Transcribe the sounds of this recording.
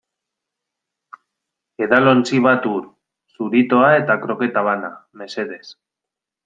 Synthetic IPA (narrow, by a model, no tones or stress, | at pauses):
e̞ðalont͡siβ̞at̪uɾ | suɾit̪o̞ae̞t̪akɾo̞ke̞t̪aβ̞ana̰me̞se̞ðe̞s